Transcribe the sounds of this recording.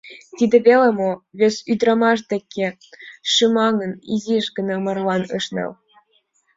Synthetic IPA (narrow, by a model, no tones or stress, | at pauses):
t̪id̪ĕβelemoβesyd̪ɾɑmɑʃ̬d̪ekʲʰːĕ | ʃɯmɑŋəniziʃɡə̆nɑmɑrlɑnɤʃnḛl